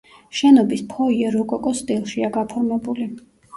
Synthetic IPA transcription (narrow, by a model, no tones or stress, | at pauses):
ʃɛnɔbispʰɔiɛɾɔkʼɔkʼɔst̪ʼilˠʃiaɡapʰɔɾmɛbuli